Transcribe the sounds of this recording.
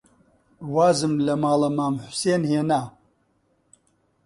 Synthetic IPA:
waːzɨmlɐmaːlɐmaːmħʊ̥seːnheːnaː

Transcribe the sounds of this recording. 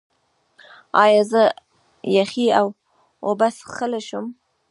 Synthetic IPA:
ɑjɑzə | jaxiaw | obasxəlaʃum

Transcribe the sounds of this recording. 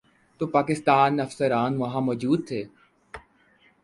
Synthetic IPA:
t̪oːpaːkɪst̪aːnɐfsəɾaːnʋɐɦãmɔːd͡ʒuːd̪̚t̪ʰeː

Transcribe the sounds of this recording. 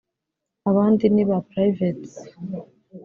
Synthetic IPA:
aβaːndiniβapɾajvet

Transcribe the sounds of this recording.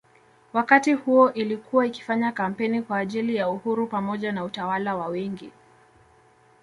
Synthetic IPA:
wakatihuɔʔilikʰuwaiki̥faɲakam̩pɛnikwaːʄilijauhuɾupamɔʄanautawalawawɛŋɡi

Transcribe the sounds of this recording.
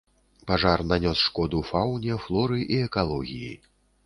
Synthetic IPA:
paʐarnanʲɔsʂkɔd̪ufawnʲɛflˠɔɾɨʔiɛkalˠɔɣʲijḭ

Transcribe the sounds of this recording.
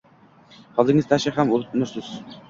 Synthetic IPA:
hɒlˠd̪ɪŋɪzt̪ʰaʃɪhamolˠnʊɾsɪz̥

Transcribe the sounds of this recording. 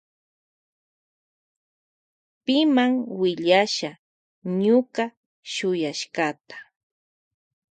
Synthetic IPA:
pɪmaŋwɪʎaʃa | ɲʊka | ʃʊjaʃkat̪ḁ

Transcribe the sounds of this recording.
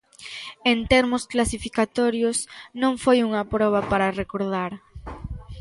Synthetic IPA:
ent̪ɛɾmʊsklasifikat̪ɔɾjosnõŋfojuŋɐpɾɔβ̞ɐpaɾarekoɾð̞aɾ

